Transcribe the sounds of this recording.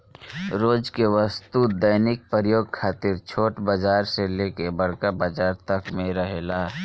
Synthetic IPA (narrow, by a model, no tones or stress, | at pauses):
ɾoːd͡ʒkeʋəst̪ud̪əjnɪk̚pəɾjoːɡ̚kʰaːt̪ɪɾt͡ʃʰoːʈbəd͡ʒaːɾseleːkebɐɽkabad͡ʒaːɾt̪ɐkmẽɾəɦeːlaː